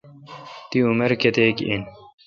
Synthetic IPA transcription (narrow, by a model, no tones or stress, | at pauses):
t̪iumɐɾket̪eːkin